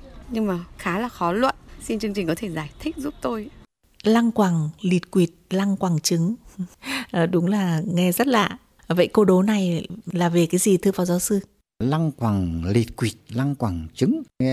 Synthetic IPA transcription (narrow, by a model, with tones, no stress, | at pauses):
ɲɨ˧ŋmaː˨˩xaː˨˦laː˨˩xɔ˨˦lwə̰˧˨nsi˧nt͡ɕɨ˧əŋt͡ɕï˨˩ŋ̟kɔ˨˦t̪ʰe˧˩zaː˧˩jt̪ʰi˦˥k̟̚zu˦˥p̚t̪o˧j | la˧ŋkwaː˨˩ŋli˨˩t̚kwi˨˩ət̚la˧ŋkwaː˨˩ŋt͡ɕɨ˨˦ŋ | ʔɗʊ˨˦ŋ͡mlaː˨˩ŋɛ˧zə˦˥t̚la̰ː˨˩ | və̰˧˨jko˧ɗo˨˦na˨˩jlaː˨˩ve˨˩kaː˨˦jzi˨˩t̪ʰɨ˧vaː˨˩wzaː˨˦wsɨ˧ | la˧ŋkwaː˨˩ŋli˨˩t̚kwi˨˩ət̚la˧ŋkwaː˧˩ŋt͡ɕɨ˨˦ŋ˧